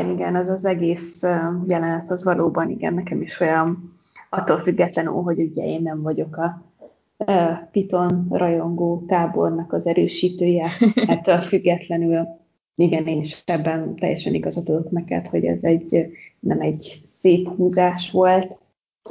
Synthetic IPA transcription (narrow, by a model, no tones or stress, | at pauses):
niɡɛnɛzɒzɛɡeːsøjɛlɛnɛt̪hozvɒlʔoːbɒnḭɡɛ̰nːɛkɛmiʃojɒm | ɒt̪ːolfyɡːɛt̪lɛny̰lɦo̞ɟuɟɛ̰eːnːɛɱvɒɟo̞kɒ | pit̪o̞nrʔɒjo̞ŋɡoːt̪aːbo̞̰rnɒkɒzɛɾøːʃiːt̪øːjɛɛt̪ːølfyɡːɛt̪lɛnyl | iɡɛneːniʃɛbːɛnt̪ɛ̰jːɛʃɛniɡɒzɒt̪od̪oknɛkɛ̰t̪ho̞ɟɛ̰zɛɟnɛmɛɟseːphuːzaːʃʋo̞lt̪